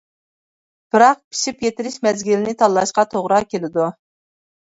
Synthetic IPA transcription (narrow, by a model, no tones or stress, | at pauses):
b̥ɨɾɑq̚pʰi̥ʃipjet̪ɪɾɪʃmɛzɡʲilɪnɪt̪ʰɑlˠːɑʃqɑt̪ʰoʁɾɑkʲelɪd̪u